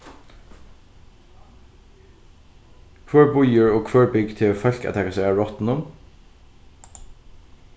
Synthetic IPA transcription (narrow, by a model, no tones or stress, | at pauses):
kʰʋøːɹbʊjəɹoːkʰʋøːɹbʏɡt̪ʰɪlfœlkæ̰t̪ʰɛkəsɔæːɹɔt̪n̩ʊm